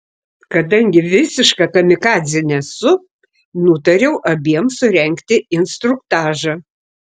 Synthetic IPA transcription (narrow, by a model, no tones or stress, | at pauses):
kɐd̪ɐŋʲɡʲɪʋʲɪsʲɪʃkɐkɐmʲɪkɑːzʲɪnʲɛsʊ | nʊt̪ɐɾʲɛʊʔɐbʲiɛmsʊɾʲɛŋʲkt̪ʲɪɪnst̪ɾʊk̚t̪ɑːʒɑ